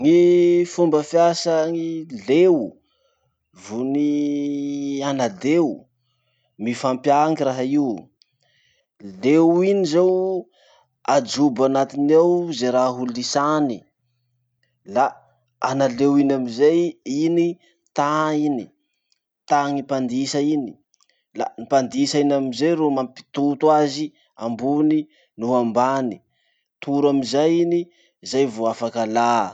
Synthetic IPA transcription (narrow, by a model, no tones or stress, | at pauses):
ŋifumbəfjasaŋilew | vuni | anad̪ew | mifampjaŋɡiraɦaiw | lewinizew | ad͡ʒubanat̪inewzeɾaɦɦullisani | la | analewinamizajini | t̪aini | t̪aŋipand̪isaini̥ | la̰nipand̪isainamizejɾumampi̥t̪ut̪uazi | a̰mbuni | nuɦambani̥ | t̪ʰuɾamizajini | zajvoafakəla